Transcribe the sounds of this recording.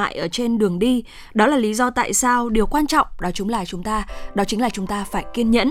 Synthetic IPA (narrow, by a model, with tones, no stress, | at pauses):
a̰ː˧˨jʔəː˧˩t͡ɕe˧nɗɨ˨˩əŋɗi˧ | ɗɔ˨˦laː˨˩li˨˦zɔ˧t̪a̰ː˧˨jsaː˧wɗi˨˩əwkwaː˧nt͡ɕɔ̰˧˨wŋ͡mɗɔ˨˦t͡ɕʊ˨˦ŋ͡mlaː˨˩t͡ɕʊ˨˦ŋ͡mt̪aː˧ɗɔ˨˦t͡ɕï˨˦ŋ̟laː˨˩t͡ɕʊ˨˦ŋ͡mt̪aː˧faː˧˩jki˧ənɲə̰˧˥n